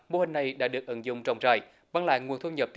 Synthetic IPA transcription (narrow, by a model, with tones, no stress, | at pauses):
mo˧˩hï˨˩ŋ̟na˨˩jɗa̰ː˧˥ɗɨ˨˩ək̚ʔə˧˦ŋzʊ̰˧˨ŋ͡mt͡ɕɔ˧wŋ͡mt͡ɕaː˧˩j | ɓaː˧ŋla̰ː˧˨jŋu˨ənt̪ʰu˧ɲə˨˩p̚t̪